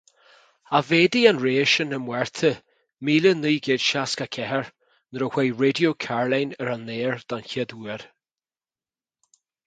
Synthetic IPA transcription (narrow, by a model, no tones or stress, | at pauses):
aveːd̪ianɹeːʃənəmwɛɹt̪ʰə | miːləniːɡeːd̪̥ʃaskakʰɛɦəɹ | nəɾəwejɹedjokʰaɹlajnəɾanːeːɹd̪̥ançɪd̪uːəɾ